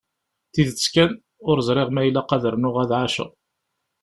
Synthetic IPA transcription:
θiðskæn | ʊɾəzˤɾˤeʁmæjlːæqɑðəɾnʊʁæðʕaʃə̰

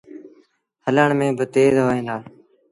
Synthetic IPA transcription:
hələɳmẽːbət̪eːzɦoːẽːnaː

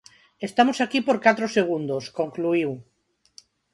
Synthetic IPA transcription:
est̪amosakipoɾkat̪ɾoseɣ̞und̪oskõŋkluiw

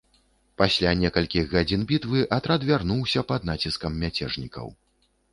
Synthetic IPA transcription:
pasʲlʲanʲɛkɐlʲkʲiɣɣad͡zʲinbʲit̪vɨʔɐt̪ɾad̪vʲarnuwsʲɐpɐd̪nat͡sʲiskɐmːʲat͡sʲɛʐnʲikɐ̰w

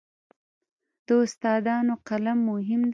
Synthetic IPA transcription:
d̪̥əʊst̪ɑd̪ɑnoqalamːʊɦɪmd̪

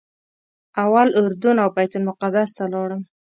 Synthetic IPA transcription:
awalʊɾd̪unawbajt̪ʊlmʊqad̪ast̪alɑɽəm

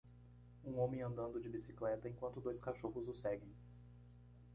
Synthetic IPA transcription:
ũõmẽj̃ɐ̃nd̪ɐ̃nd̪ʊd͡ʒɪbisi̥klɛt̪ɐẽŋkwɐ̃nt̪ʊd̪ojskaʃoɦʊzʊsɛɡẽj̃

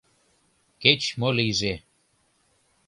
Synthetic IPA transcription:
ket͡ɕmoliʒe

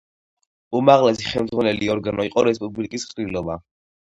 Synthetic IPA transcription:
umaʁlɛsi̥χɛlmdzʁwanɛliɔɾɡanɔiqʼɔɾɛspʼublikʼisqʼɾilɔba

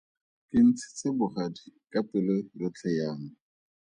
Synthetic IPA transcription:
kɪn̩t͡sʰɪ̥t͡sɪbʊχadikʼapɪlerʊt͡ɬʰɛjaːŋ̩

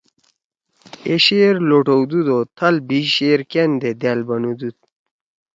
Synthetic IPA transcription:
eɕeɾloʈowd̪ud̪ot̪ʰɐlbiɕeɾkend̪ed̪albɐnud̪ud̪̚

